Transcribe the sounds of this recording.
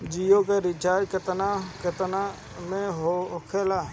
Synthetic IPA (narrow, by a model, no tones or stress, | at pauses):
d͡ʒijoːkeɾɪt͡ʃaːɾkət̪nakət̪na | mẽɦookʰelaː